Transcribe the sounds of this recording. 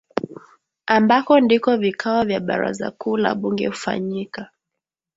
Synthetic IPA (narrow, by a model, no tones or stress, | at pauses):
ambakɔndikɔvikʰaɔvjaɓaɾaza̰kuːla̰ɓuŋɡɛ̰hufa̰ɲika